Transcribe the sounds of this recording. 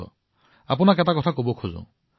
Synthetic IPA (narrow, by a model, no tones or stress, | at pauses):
ɔ̰ | a̰p̬unakɛtakɔtʰakobɔkʰozõ̰